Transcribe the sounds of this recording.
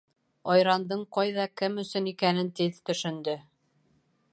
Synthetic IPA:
ɑjɾɑnd̪ɤɴqɑjðɑkɘmɵ̆sɵ̆nikænɘnt̪iðt̪ɵ̆ʃɵ̆nd̪ɵ

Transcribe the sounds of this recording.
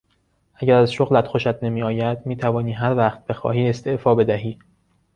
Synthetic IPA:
ʔæɟæɾæzʃoɣlæt̪xoʃæt̪ʰnemiːɒːjæd̪̥miːt̪ʰævɒːniːɦæɾvæχt̪̚b̥exɒ̰ːhiːe̞st̪ʰeʔfɒːbe̞d̪æɦiː

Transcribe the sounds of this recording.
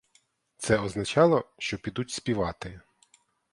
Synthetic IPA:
t̪sɛɔznɐt͡ʃɑlˠɔʃt͡ʃɔpʲid̪utʲspʲiʋɑt̪ɪ

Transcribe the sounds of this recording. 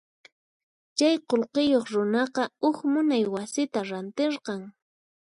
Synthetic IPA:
t͡ʃajqolqɪjoχɾʊnɑqɑʊxmʊnajwasɪt̪aɾant̪eɾqɑŋ

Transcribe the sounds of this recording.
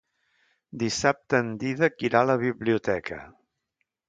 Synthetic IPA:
d̪isap̚t̪əːnd̪iðəkiɾaləβiβliut̪ɛkʰə̰

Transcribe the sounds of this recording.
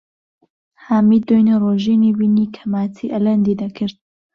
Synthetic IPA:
haːmiːd̪ojneroʒiniwiniːkʰɐmaːt̪ʰiʔɐlɐnd̪iːd̪ɐkʰɨɾd̪̚

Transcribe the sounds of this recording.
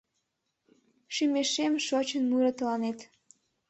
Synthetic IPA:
ʃymeʃemʃot͡ɕənmuɾət̪əlɑnet̪

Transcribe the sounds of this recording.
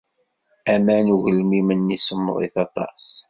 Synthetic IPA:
æmænuʝəlmimənːisəmːðˤḭθɑt̪ˤɑ̰s

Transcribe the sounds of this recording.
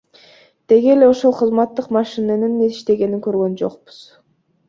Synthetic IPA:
d̪̥e̞ɡele̞o̞ʃo̞lˠqʰɯzmɑt̪ːɯqmɑʃineninːeziʃt̪e̞ɡe̞niŋkø̞ɾɡø̞nd͡ʒo̞̰q̚bu̥z̥

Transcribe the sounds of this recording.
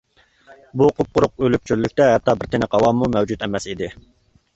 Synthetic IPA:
buqʰʊp̚qʊɾʊqølyp̚t͡ʃʰyɾlykʲt̪ɛɦɛt̪ʰːɑːbɪɾt̪ʰɪnɪqʰɑlˠɑmumɛwd͡ʒut̪ɛmɛsid̪ɪ

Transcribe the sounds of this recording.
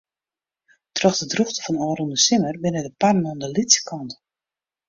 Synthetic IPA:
trɔxdədruxtə̥fɔnɔːɾundəsɪmərbɪnədəparnɔndəlitsə̥kʰɔnt

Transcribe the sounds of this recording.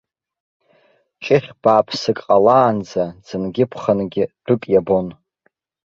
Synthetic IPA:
t͡ʃʼɪχʲb̥aːpʰsɨkʼqʼalaːnd͡zad͡zɨnɡʲɪpʰχənɡʲɪd̥ʊkʼjabo̞n

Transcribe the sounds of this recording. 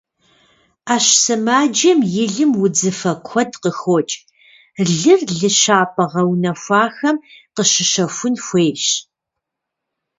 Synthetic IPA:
aːɕsɨmaːd͡ʒɐmjɪɮɨmwʊd͡zɨfɐkʷʰɔdqəxoːt͡ʃʼ | ɮɨrɮɨɕaːpʰʼɐʁɐwnɐfʷaːxɐmqəɕɪʃɐfʷʊnxʷeːɕ

